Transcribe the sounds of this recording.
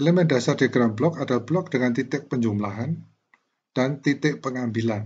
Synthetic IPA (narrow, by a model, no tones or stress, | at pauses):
lemendasardeɡɾamblɔkad̥alb̥lɔk̚d̥əŋant̪it̪ɪʔ̚pəɲd͡ʒumlaɦan | d̥ant̪it̪ɪʔpəŋambilan